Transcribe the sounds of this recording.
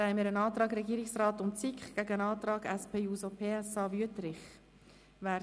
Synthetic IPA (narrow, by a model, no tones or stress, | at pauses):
ɛɪmɪɾənɑːt̪ɾɑːɡɾɛɡiːɾɪksrɑːt̪ʊmt͡sikχɡ̥æɡəənɑːt̪ɾɑːɡæspʰeːuːsopʰeːɛsɑːvyətɾɪχ | ʋæː